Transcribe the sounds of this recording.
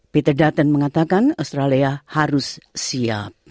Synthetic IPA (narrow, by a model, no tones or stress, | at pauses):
pit̪ərdat̪ənməŋat̪akanast̪ɾaliahaɾʊssia̰p̚